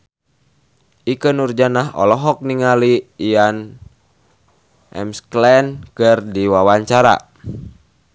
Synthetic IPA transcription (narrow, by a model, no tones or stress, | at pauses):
ʔikənurd͡ʒanaɦɔ̰lɔɦɔk̚niŋaliːjan | ʔɛ̰msklɛnkɨrdiwawaɲt͡ʃaɾa̰